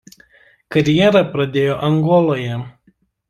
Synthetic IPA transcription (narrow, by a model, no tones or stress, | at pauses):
kɐɾʲjɛɾɐpɾɐd̪ʲeːjoːʔɐŋɡɔlˠoːjɛ